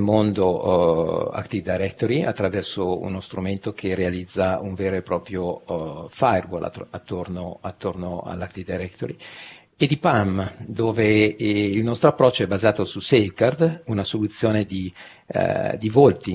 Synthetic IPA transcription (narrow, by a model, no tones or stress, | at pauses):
lmond̪o | a̰kt̪id̪ajɾɛkt̪oɾiat̪ːɾavɛrsoṵnost̪ɾument̪okʰerealid̪zːauɱveːɾoepɾɔːpɾjofajrwo̰l̰at̪ːornoat̪ːornoa̰lːakt̪id̪ajɾɛkt̪oɾi | ed̪ipamd̪oːveilnɔst̪ɾoapːɾɔt͡ʃːoɛbazaːt̪osusevkard̪unasolut̪sːjoːned̪ḭ | d̪ivolt̪i